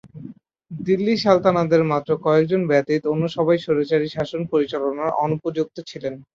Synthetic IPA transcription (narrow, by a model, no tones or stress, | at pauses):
d̪ilːiʃalt̪anad̪eɾmat̪ːɾokɔek̚d͡ʑonbɛt̪it̪onːuʃɔbajʃoɾot͡ɕaɾiʃaʃonpoɾit͡ɕalonaɾɔnupod͡ʑuk̚t̪ot͡ɕʰilen